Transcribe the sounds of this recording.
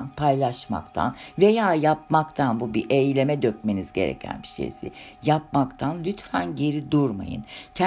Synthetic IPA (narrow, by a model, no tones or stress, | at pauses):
npʰajlˠaʃma̰kt̪ʰa̰nvejaːjap̚makt̪ʰanbubiʔejlʲe̞mɛd̪øc̚menizɟe̞̰ɾḛcʰæ̰nbi̥ʃḛjsḭjap̚makt̪ʰanlʲyt̪fænɟe̞ɾid̪uɾma̰jɯ̰ncʰ